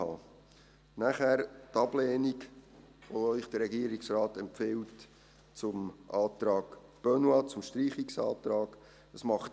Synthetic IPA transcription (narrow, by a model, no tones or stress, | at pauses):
ɑː | næχæɾtɑb̥lɛːnik | ʋoœʏχd̥əɾɛɡiəɾiksrɑːtɛmpfɪlt | t͡sʊmʔɑːtɾɑːɡ̥b̥œnwɑt͡sʊmʃtɾiːχiksɑ̰ːtɾɑːɡ̥ | əsmɑχt